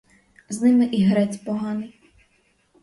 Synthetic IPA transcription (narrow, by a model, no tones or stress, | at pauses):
znɪmɪʔiɦɾɛt͡sʲpɔɦɑnɪj